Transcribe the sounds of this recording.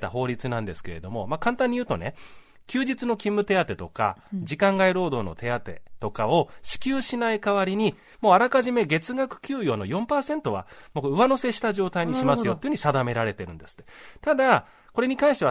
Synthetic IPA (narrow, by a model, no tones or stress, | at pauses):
t̪aɦo̞ːɾʲit͡sɨnãnd̪e̞sɨ̥ke̞ɾe̞d̪o̞mo̞makãnt̪ãɲ̟ːijɯːt̪o̞̰ne̞ | kʲɨːd͡ʑit͡sɨno̞kʲĩmːɯ̟t̪e̞at̪e̞t̪o̞ka̰d͡ʑikãŋɡaiɾo̞ːd̪o̞ːno̞t̪ʰe̞at̪e̞̰t̪o̞kao̞ɕi̥kʲɨːɕinaikaβaɾʲiɲ̟i | mo̞ːaɾakaʑime̞ɡe̞t͡sɨɡakɯ̟̥kʲɨːjo̞ːno̞jõ̞mpaːsẽ̞nt̪o̞β̞a̰mokɯβano̞se̞ɕi̥t̪aʑo̞ːt̪aiɲ̟iɕimasɨɨjo̞t̪ːeːɯ̟ɲ̟i̥sad̪ame̞ɾaɾe̞t̪e̞ɾɯ̟̃nd̪e̞sɨ̥t̪ːe̥t̪ad̪a | ko̞ɾe̞ɲ̟ikãɰ̃ɕit̪e̞βa